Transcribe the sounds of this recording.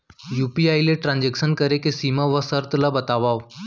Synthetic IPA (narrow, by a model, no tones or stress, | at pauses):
juːpiaileʈɾãnd͡ʑekʃənkəɾekesiːmaʋəsəɾt̪labɐt̪aʋaːʋ